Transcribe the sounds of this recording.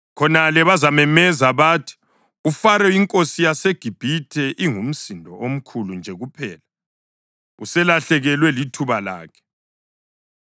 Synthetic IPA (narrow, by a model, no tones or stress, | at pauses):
kʰɔnalɛβazamɛmɛzaβaːtʰi̥ | ufaɾɛiŋkʼosijaseɡ̥ʱib̥ʱitʰɛʔiŋum̩sindʱɔʔom̩kʰulund͡ʒʱɛɣupʰɛːla | usɛlaɬɛɣɛlwɛlitʰuβala̰ːkʰɛ̥